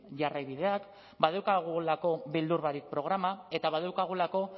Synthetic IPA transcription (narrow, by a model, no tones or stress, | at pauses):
ʝarajβiðe̞ak | baðewkaɣ̞ulako̞βild̪uɾβaɾik̚pɾo̞ɣ̞ɾamae̞t̪aβaðewkaɣ̞ulako̞